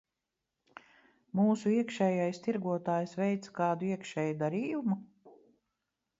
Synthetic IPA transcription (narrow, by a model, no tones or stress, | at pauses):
muːsuiɛkʃɛːjajst̪iɾɡuɔt̪aːjsvɛjt̪sḁkɑːd̪uiɛkʃɛːjud̪aɾiːjumu